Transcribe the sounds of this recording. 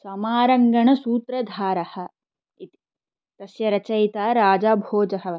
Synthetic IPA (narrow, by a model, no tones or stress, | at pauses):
sɐmaːɾɐŋɡɐɳɐsuːt̪ɾɐd̪ʱaːɾɐhɐ̆ | it̪i̥ | t̪ɐsjɐɾɐt͡ʃɐjt̪aːɾaːd͡ʒaːbʱoːd͡ʒɐɦɐ̆